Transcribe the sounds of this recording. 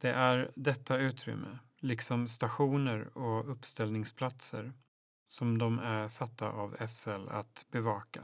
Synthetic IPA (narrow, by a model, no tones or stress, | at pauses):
d̪̥ɛʔæɾd̪ɛt̪ːaʉ̟ːt̪ʰɾʏ̰mːʔə̰ | lɪksɔmst̪aɧuːnəɾɔɵpːst̪ɛlnɪŋspʰlat̪sə̰ɾ | sɔmd̪ɔmæʂat̪ːa̰ʔavɛsɛla̰t̪bɛvɑːka̰